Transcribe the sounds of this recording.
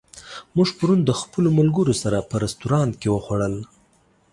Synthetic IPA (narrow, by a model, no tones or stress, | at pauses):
muʐpəɾund̪əxpəlomʊlɡəɾosaɾapəɾast̪uɾɑnt̪kewəxwaɽəl